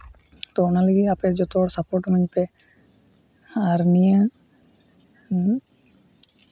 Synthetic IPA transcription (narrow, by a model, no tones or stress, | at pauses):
t̪ɔnaliɡiapeɾd͡ʒɔt̪ɔɾsapoɾʈumiɲt̪e | aɾnijə